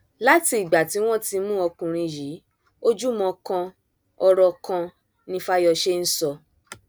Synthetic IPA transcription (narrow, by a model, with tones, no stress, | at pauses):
la˦ti˧i˨ɡ͡ba˨ti˨˦w̃ɔ̃˦ti˧mũ˦ɔ˧kũ˨ɾ̃ĩ˧ji˨˦ | o˦d͡ʒu˦mɔ̃˧kã˧ | ɔ˧ɾɔ˧kã˧ | nĩ˧fa˦jɔ˧ʃe˦n̩˦sɔ˧